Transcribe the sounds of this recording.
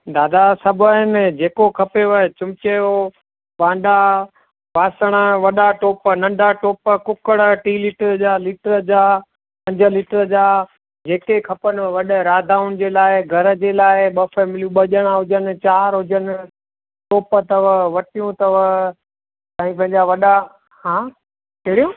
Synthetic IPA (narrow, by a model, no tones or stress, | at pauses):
d̪aːd̪asɐbʱʊɦɪnd͡ʑeːkokʰɐpeʋət͡ɕʊmɪkeo | ʋãːɳɖa | ʋaːsəɽ̃ə̆ʋɐɗaʈoːpnɐ̃ɳɖʱaʈoːpəkʊkəɽʈiːlɪːʈəɾd͡ʑaːlɪːʈəɾəd͡ʑaː | pɐ̃ɲd͡ʑʱə̆liːʈəɾəd͡ʑaː | d͡ʑeːkekʰɐpənɪ̆ʋɐɗɾaːd̪ʱaːʊnɪ̆d͡ʑeːlaːɪɡʱɐɾəd͡ʑeːlaːɪɓɐfeːmɪlijũɓɐʄəɽ̃ãɦʊd͡ʑənɪ̆t͡ɕaːɾɦʊd͡ʑənɪ̆ | ʈoːpət̪ɐʋʋɐʈijũt̪ɐʋə | t̪aːĩpɐ̃ɦɪ̃ɲd͡ʑaʋɐɗa | hãː | keɽijõ